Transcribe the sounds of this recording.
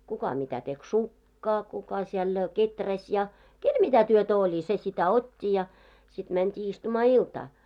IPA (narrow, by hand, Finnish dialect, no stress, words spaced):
kukɑ mitæ tek sukːɑː kukɑ siɛl ketræs jɑ kel mitæ tyøtæ olʲi se sitæ otʲːi jɑ sit mæntʲiː istumɑː iltɑː